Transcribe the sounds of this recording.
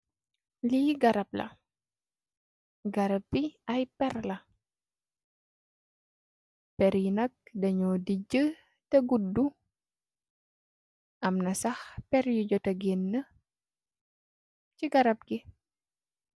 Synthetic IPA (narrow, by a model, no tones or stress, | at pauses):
liɡɐɾɐp̚lɐ̰ | ɡɐɾɐpbiɐjpɛɾlɐ | pɛɾjinɐk̚dɐɲɔːdiɟə | tɐɡudːu | ʔɐmnɐsɐxpɛɾjuɟɔtɐɡenːə | ciɡɐɾɐp̚ɡi